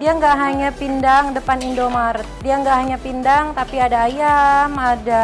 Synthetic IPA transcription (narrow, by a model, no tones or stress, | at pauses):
diaŋɡaʔɦaɲapindaŋdəpanindomaɾt̪̚diaŋɡaʔɦaɲapindaŋt̪apiadaːjamada